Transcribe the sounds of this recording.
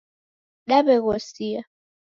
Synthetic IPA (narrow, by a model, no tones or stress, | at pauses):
ɗaɓɛɣ̬osia